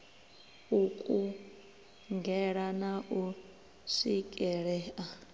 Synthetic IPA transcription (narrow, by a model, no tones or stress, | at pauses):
ukʼu | ŋɡʱɛɺanaʔu | sikʼɛɺɛʔa